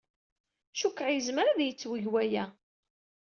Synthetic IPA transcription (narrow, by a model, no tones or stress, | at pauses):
ʃukːəʕjəzməɾaðjət͡sːwəʝwæjæ